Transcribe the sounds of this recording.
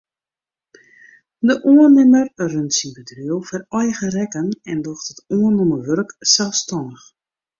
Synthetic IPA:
dəʔuənɪmərrøntsinbədryəwˠfɛrɔjɣərɛkənɛndɔxtətuənoməʋørksɛlˠfstɔndəx

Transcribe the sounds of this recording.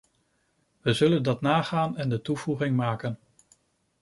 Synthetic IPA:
ʋəzɵləndɑtnaːχaːnɛndətuv̥uχɪŋmaːkən

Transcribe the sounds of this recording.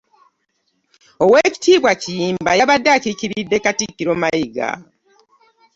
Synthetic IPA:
owe̞ci̥tiːβwacijiːmbajaβadːaciciɾidːe̞katikːiɾomajiɡa̰

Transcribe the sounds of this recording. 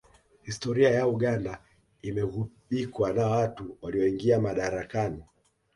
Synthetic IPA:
histɔɾiajauɠanda | imɛɣuɓikwanawatuwaliɔiŋɡiamaɗaɾakani

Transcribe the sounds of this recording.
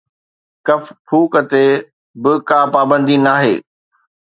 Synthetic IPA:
kɐfpʰuːkət̪e | bɪkaːpaːbə̃nd̪inaːɦḛː

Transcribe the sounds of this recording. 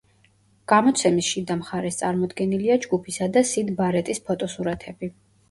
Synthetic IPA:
ɡ̥amɔt̪sʰɛmisʃid̪amχaɾɛst̪sʼaɾmɔd̪ɡɛniliad͡ʒɡupʰisad̪asid̪baɾɛt̪ʼispʰɔt̪ʼɔsuɾat̪ʰɛbi

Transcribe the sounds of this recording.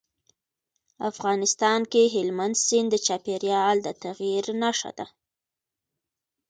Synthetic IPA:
afɣɑnɪst̪ɑnkeɦɪlmand̪sɪnd̪ət͡ʃɑpeɾjɑld̪ət̪aɣiɾnaʂa̰d̪a

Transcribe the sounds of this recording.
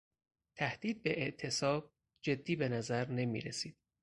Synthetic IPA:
t̪ʰæhd̪̥iːd̪̚be̞ʔeʔt̪ʰe̞sɒːb̥̚ | d͡ʒe̞d̪ːiːbe̞næzæɾne̞mḭːɾesiːd̪̥̚

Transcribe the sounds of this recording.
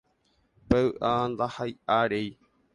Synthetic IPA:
peɨʔand̪ahajʔaɾej

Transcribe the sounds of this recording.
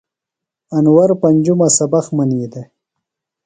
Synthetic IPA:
anwaɾpand͡ʒumasabaxmanid̪e

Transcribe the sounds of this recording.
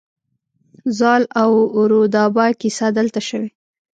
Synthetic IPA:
zɑlawʊɾod̪ɑbakisad̪əlt̪aʃəwe

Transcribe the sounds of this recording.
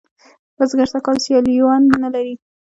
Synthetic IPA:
bəzɡaɾt̪akɑlsjɑliwɑnːalaɾi

